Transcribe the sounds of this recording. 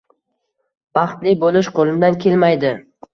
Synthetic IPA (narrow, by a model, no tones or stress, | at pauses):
bɑχt̪lɪbolɪʃqʰolˠɪmd̪ankʲʰe̞lmajd̪ɪ